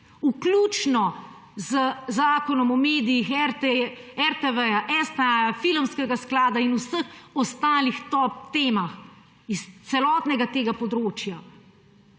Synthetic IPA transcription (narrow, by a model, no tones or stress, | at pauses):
ukluːt͡ʃnɔ | zəzaːkɔnɔmɔmeːd̪ijix | ɛɾt̪ɛʋɛjaʔɛst̪ɛajafilmskɛɡasklaːd̪ainusəxɔst̪aːlixt̪ɔp̚t̪eːmax | ist̪sɛlɔːt̪nɛɡat̪eːɡapɔd̪ɾoːt͡ʃja